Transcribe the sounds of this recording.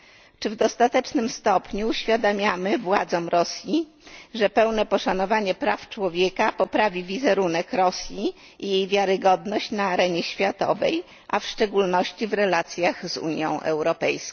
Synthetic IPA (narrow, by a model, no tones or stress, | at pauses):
t͡ʂɘvd̪ɔst̪at̪ɛt͡ʂnɘmst̪ɔpɲuːɕfʲjad̪amʲjamɘvwad̪zɔmɾɔsʲji | ʐɛpɛwnɛpɔʂanɔvaɲɛpɾaft͡ʂwɔvʲjɛkapɔpɾavʲivʲizɛɾunɛkɾɔsʲji | ijejvʲjaɾɘɡɔd̪nɔɕt͡ɕnaːɾɛɲɛɕfʲjat̪ɔ̰vɛ̰j | ʔafʂt͡ʂɛɡulnɔɕt͡ɕivɾɛlat̪sʲjaɣzṵɲjɔ̰̃w̃ʔɛ̰wɾɔpɛjsk